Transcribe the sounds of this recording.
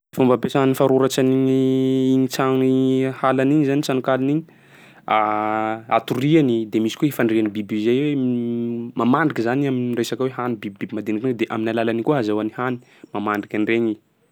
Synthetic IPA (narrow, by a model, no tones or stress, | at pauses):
fumbapesanifaɾuɾat͡ʃaniɲiiɲit͡saŋhalaniɲizanit͡sanukaliniɲi | a | a̰t̪urianid̪emisi̥koɦefaɳrianibibizejwe | mamaɳɖ͡ʐikizaniaminresakaweɦanibibibibimad̪enred̪eʔa̰minalalanikuɦazawanihani̥ | mamaɳɖ͡ʐikʲanreɲi